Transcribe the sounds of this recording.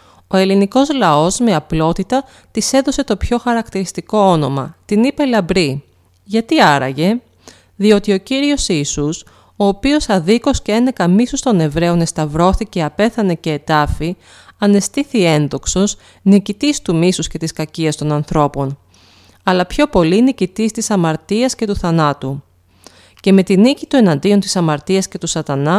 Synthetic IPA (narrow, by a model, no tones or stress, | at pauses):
o̞e̞liniko̞zlɐo̞zme̞ɐplo̞t̪it̪ɐ | t̪ise̞ðo̞se̞t̪o̞pço̞xɐɾɐkt̪iɾist̪iko̞o̞no̞mɐ̰t̪inipe̞lɐbɾi | ʝɐt̪iɐɾɐ̰ʝe̞ | ðio̞t̪io̞ciɾio̞siːsus | o̞ːpio̞sɐðiko̞scee̞ne̞kɐmisust̪o̞ne̞vɾe̞o̞ne̞st̪ɐvɾo̞θice̞ɐpe̞θɐne̞ce̞ːt̪ɐfi | ɐne̞st̪iθie̞nðo̞kso̞s | nicit̪ist̪umisusce̞t̪iskɐciɐst̪onɐnθɾo̞po̞n | ɐlɐpço̞po̞linicit̪ist̪isɐmɐɾt̪iɐsce̞t̪uθɐnɐt̪u | ce̞me̞t̪inicit̪ue̞nɐnd̪io̞nt̪i̥sɐmɐɾt̪iɐsce̞t̪usɐt̪ɐnɐ